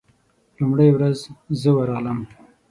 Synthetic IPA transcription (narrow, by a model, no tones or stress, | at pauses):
lumɽejwɾazzəwaɾɑɣləm